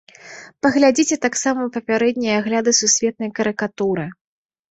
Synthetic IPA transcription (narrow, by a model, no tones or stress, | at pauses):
pɐɣlʲad͡zʲit͡sʲɛt̪aksamɐupɐpʲaɾɛd̪ʲnʲɐjaɣlʲad̪ɨsusʲvʲɛt̪̚nɐjkɐɾɨkat̪uɾɨ